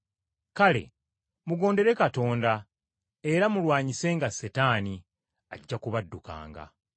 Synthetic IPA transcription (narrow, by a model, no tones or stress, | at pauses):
kale̞̰ | muɡo̞ːnde̞ɾe̞kato̞ːnda | eɾamulwaːɲise̞ŋɡasetaːni | aɟːakuβadːuka̰ːŋɡa̰